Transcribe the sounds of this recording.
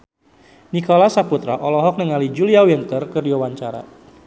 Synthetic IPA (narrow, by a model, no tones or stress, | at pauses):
nikɔlasaput̪ɾa̰ʔɔlɔɦɔk̚nəŋalid͡ʒuliawɛnt̪ərkərdiwawaɲt͡ʃaɾa̰